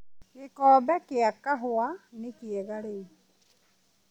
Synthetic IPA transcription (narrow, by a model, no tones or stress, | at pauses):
kɪkɔːbɛkɪakːaɦʊanɪkɪɛɣae